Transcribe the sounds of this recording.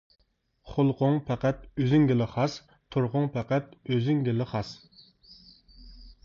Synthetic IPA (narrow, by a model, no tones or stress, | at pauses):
χʊlˠqʊŋpʰɛqæt̪øzɪŋɡʲɪlˠɪχɑs | t̪ʰoɾʁʊŋpʰɛqæt̪̚øzyŋɡʲɪlˠɪχɑs